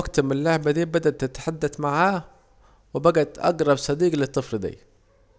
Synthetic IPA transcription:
ɡt̪mɪnlaʕbæd̪iːbæd̪æʔt̪ːɪt̪ħad̪ːæθmaʕaː | wɪbæɡæt̪ʔɑ̰ɡɾˤɑbsˤɑd̪iːɡlɪt̪ˤːɨfld̪ḭː

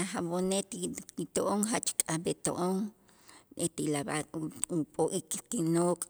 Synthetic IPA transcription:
axaβonet̪it̪oʔoŋɦat͡ʃkʼabet̪o̰ʔoŋ | et̪ilabakʼupʼoʔikt̪inoːkʼ

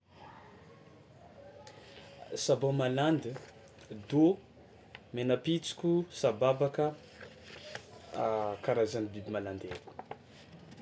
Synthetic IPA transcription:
sabomaland̪i | d̪o | menəpit͡si̥kʲusababakə | kaɾazanibibimaland̪eɾi̥

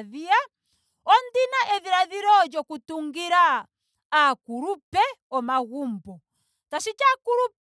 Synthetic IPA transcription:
ðia | ɔndinaʔɛðiɾaðiɾɔd͡ʒɔkutuŋɡiɾaː | kuɾupɛɔmaɣumbɔ | tasit͡ʃakuɾup

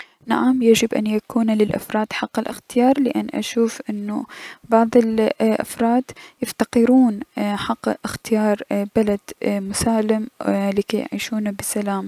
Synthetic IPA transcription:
naʕamjad͡ʒɪbʔa̰njakuːnalɪlʔa̰fɾˤɑːd̪ħɑqːɪlʔɪxt̪ɪjɑːɾˤlɪʔa̰nːʔa̰ʃuːfʔɪnːʊbɑʕðˤɪlʔa̰fɾˤɑːd̪jɪft̪aqɪɾuːnħaqːʔɪxt̪ɪjɑːɾˤbalad̪̥mʊsaːlɪmlɪkaj̰ʕḭːʃuːnabɪsalaːm

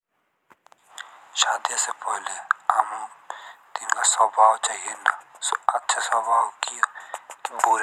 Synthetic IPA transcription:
ʃaːd̪ijasepɔɦleaːmõt̪inɡasɔːbʱaːwt͡ʃaːɦienasɐtːʃʰasɔːbʱaːwkiokboːɾ

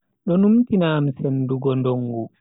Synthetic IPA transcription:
ɗɔnumtinaːmsenduɡɔndɔŋɡu

